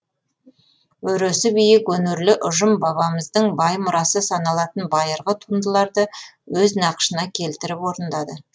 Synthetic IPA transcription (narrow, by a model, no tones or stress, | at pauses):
wɵɾøsɪbijɪkwɵnɪɾlɪʔʊʒəmbɑβɑməzd̪əɴbɑjmʊɾɑsəsɑnɑlˠɑt̪ənbɑjəɾʁət̪ʰund̪əlˠɑɾd̪əwɵznɑqʃənɑkʲʰe̞lt̪ɪɾɪpwo̞ɾənd̪ɑd̪ə